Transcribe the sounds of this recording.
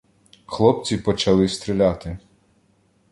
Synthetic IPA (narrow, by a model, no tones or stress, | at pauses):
xlˠɔpt͡sʲipɔt͡ʃɐlˠɪst̪ɾɪlʲat̪ɪ